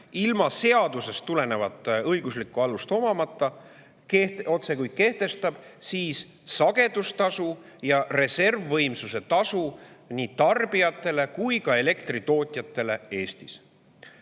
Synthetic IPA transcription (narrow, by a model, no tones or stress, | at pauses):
ilmɑse̞ɑd̪use̞st̪ːule̞ne̞vɑd̪ˑɤjɡ̥uslikːˑuɑlust̪o̞mɑmɑt̪ːˑɑ | keo̞t̪se̞kujd̪̥̚ke̞ht̪e̞st̪ɑb̥siːs | sɑɡe̞d̪̥ust̪ɑsu | jɑre̞se̞rvːɤ̞jmsuse̞t̪ɑsuniːt̪ɑrbijɑt̪ːˑe̞le̞kujkɑe̞le̞kt̪rit̪o̞ːt̪ʲˑjɑt̪ːˑe̞le̞e̞ːst̪is